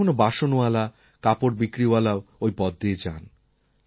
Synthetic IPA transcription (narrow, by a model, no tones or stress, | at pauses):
onobaʃonoala | kapoɾbikɾialaoojbɔd̪ːed͡ʑan